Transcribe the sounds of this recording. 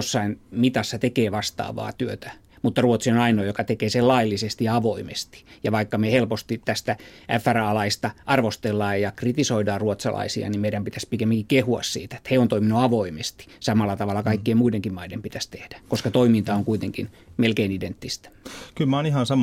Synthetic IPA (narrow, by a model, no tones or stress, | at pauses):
osːɑinmit̪ɑsːɑt̪ekeːʋɑst̪ɑ̰ːʋɑ̰ːt̪yøt̪æ̥ | mut̪ːɑruot̪sionɑinoːjokɑt̪ekeːselɑilːisest̪ijɑɑʋoimḛst̪i̥jɑʋɑikːɑmehelpost̪it̪t̪æst̪æʔæfːærɑlɑist̪ɑʔɑrʋost̪elːɑːjjɑkrit̪isoidɑːruot̪sɑ̰lɑ̰isḭɑ̰nimeiɾæmpit̪æspikemːiŋkikkehuɑ̰ssḭːt̪æ̥e̥t̪heont̪oiminuɑʋoimest̪i̥sɑmɑlːɑt̪ɑʋɑlːˑɑkɑikːiemmuideŋkimmɑidempit̪æst̪ehd̥æ̥koskɑt̪oimint̪ɑoŋkuit̪eŋkinmelkeinident̪ːist̪æ̥kylmæonihɑnsɑm